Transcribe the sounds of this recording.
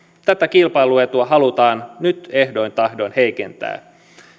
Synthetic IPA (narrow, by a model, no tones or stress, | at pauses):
t̪æt̪ækilpɑjluet̪uɑɦɑlut̪ɑːnnyt̪e̞hdo̞jnt̪ɑhdo̞jnhe̞jke̞̰nt̪æ̰ː